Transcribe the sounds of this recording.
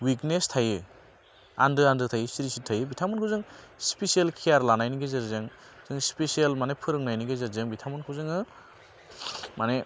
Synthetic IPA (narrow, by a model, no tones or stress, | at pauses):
wiknestʰajɯ | a̰ndɯandɯtʰajɯsiɾisitʰajɯbitʰamɯnkʰwzɯŋspesijelkʰiaɾlanajniɡezɯɾzɯŋ | z̥ɯŋspesialmanepʰɯɾɯŋnajniɡezɯɾzɯŋbitʰamɯnkʰɯwzɯŋɯ | mane